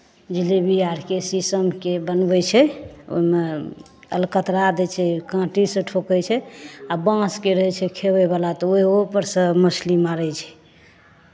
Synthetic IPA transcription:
d͡ʒilebiaɾkesisəmkebənbɛt͡ʃʰɛo̰ɦme | ə̰lkət̪ɾad̪ɛt͡ʃʰɛkãʈisə̃ʈʰokɛt͡ʃʰɛabãskeɾəɦɛt͡ʃʰɛkʰebɛbalat̪ɔoiopəɾsə̃məslimaɾɛt͡ʃʰɛ̥

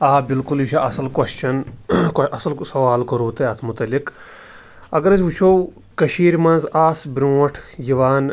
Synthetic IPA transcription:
aːbilkuljiʃʰaʔɐsɐlkwɐst͡ʃʰɐnkɐsɐlsɐʋaːlkɐɾuːt̪eɐt̪ʰmʊt̪ɐlik | ɐɡɐɾɐzʋut͡ʃʰow | kɐʃiːɾmɐnzaːsbɾõːɐʈʰjiʋaːn

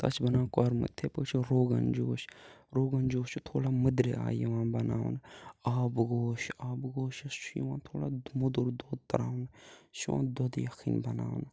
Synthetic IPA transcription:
t̪ɐ̰t͡ʃʰbɐnãːkaɾmə̰t̪ʰːepət͡ʃʰɾoːɡɐnd͡ʒoːʃɾoːɡɐnd͡ʒoːʃut̪ʰoːɽaːməd̪ɾea̰ːjiʋãːbɐna̰ːnaːbɡoːʃaːbɡoːʃɐʃjiʋãːt̪ʰoːɽaːmud̪oɾd̪oːd̪̚t̪ɐɾaːnʃuʋã̰ːd̪oːd̪jɐxʰiːnbɐna̰ːn

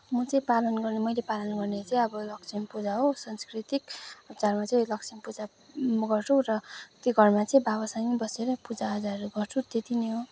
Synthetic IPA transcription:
mʌt͡sʌĩpalʌnɡʌrnemʌjlepalʌnɡʌrnet͡sʌĩʌbʌlʌk̚t͡sʰimpud͡zaɦosʌnskrit̪ikʌp̚t͡sarmat͡sʌĩlʌkt͡sʰimpud͡za | ɡʌrt͡sʰũrʌt̪joɡʱʌrmat͡sʌĩbabʌsanibʌseɾʌpud͡zaɦʌd͡zaɾuɡʌrt͡sʰũt̪et̪ineɦo

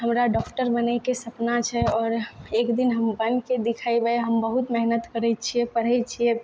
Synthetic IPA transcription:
ɦəmɾaɖɔkʈəɾbənəkesəpnat͡ʃʰɛɔːɾekd̪inɦəmbənked̪ikʰajbəeɦəmbəɦut̪mɛɦnət̪kəɾɛt͡ʃʰiɛpəɾ̤ɦɛt͡ʃʰiɛ

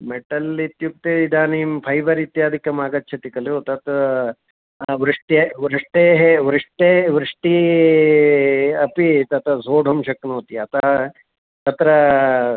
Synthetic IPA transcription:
meʈɐlit̪juk̚t̪eːid̪aːniːmpʰɐjbɐɾit̪jaːd̪ʱikɐmaːɡɐt͡ʃːt͡ʃʰɐt̪ikɐljoːt̪ɐt̪ | ʋɾɨʂʈeʋɾɨʂʈeːɦeʋɾɨʂʈeːʋɾɪʂʈi | ɐpit̪ɐt̪ɐzoːɖʱɐmʃɐknoːt̪iɐt̪ɐ | t̪ɐt̪ɾɐ

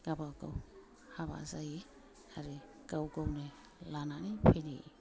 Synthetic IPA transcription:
ɡ̥abaɡa̰w | haβa̰zaji | aɾɛ | ɡ̥awɡownɛ | lananipʰɛni

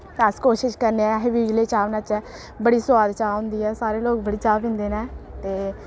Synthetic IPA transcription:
t̪əskoːʃɪʃkəɾneːɛ̃ɦɪʋiːɡleːt͡ʃaːʋnət͡ʃɛː | bəɽiːsʊaːd̪t͡ʃaːɦʊ̃nd̪iːɛːsaːɾeːloːk̚bəɽiːt͡ʃaːbɪ̃nd̪eːnɛːt̪eː

